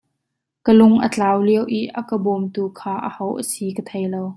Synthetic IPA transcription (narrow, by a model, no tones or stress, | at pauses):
kəlʊŋʔə̰t͡ɬaːwliəwʔiʔʔɐkəbɔmt̪uːkʰaːʔəhowʔəsikət̪ʰejlow